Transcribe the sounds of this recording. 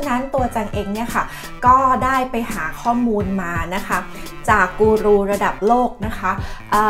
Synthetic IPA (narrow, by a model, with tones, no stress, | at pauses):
na˦˥nt̪u˧ɐt͡ɕa˧ŋʔeː˧ŋni˥˩ɐkʰa˥˩ | kɔː˥˩daː˥˩jpa˧jhaː˩˦kʰɔː˥˩muː˧nmaː˧na˦˥kʰa˦˥ | t͡ɕaː˨˩kːuː˧ɾuː˧ɾa˧da˨˩p̚loː˥˩k̚na˦˥kʰa˦˥ʔəː˨˩